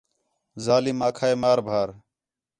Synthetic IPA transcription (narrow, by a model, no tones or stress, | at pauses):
zaːliːmaːkʰaːeːmaːɾbʱaːɾ